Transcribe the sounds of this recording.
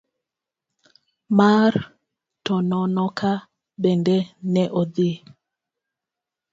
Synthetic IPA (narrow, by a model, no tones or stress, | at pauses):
maɾ | tɔnɔnɔkʰa | bɛndɛnɛʔɔdi